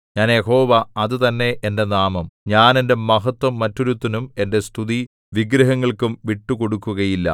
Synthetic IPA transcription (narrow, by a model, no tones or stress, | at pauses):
ɲaːnjeho̞ːʋɐɐðɨt̪ɐnːe̞ʔende̞naːmɐmɲaːne̞nde̞mɐɦɐt̪wɐmːɐtːoɾut̪ːɐnume̞nde̞st̪ʰuði | ʋiɡɾɐɦɐŋːɐɭkumʋiʈːuko̞ɽukːuɣɐjilːɐ̰